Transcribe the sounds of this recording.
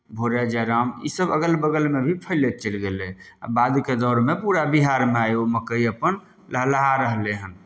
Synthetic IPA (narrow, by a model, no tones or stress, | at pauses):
bʱoɾad͡ʒəɾamḭsəbəɡəlbəɡəlmebʱipʰəlet͡ʃəlɡelea̰bad̪ked̪ɔɾmepuɾabiɦaɾmeajoməkəiəpən | ləɦləɦaɾəɦleɦən